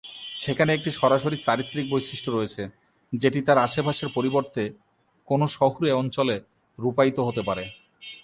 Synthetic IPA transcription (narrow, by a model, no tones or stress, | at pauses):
ʃekʰaneek̚ʈiʃɔɾaʃoɾit͡ɕaɾit̪ːɾik̚bojʃiʃʈoɾoet͡ɕʰe | d͡ʑeʈit̪aɾaʃebʱaʃeɾpoɾiboɾt̪e | konoʃɔɦuɾeɔnt͡ɕole | ɾupajt̪oɦot̪epaɾe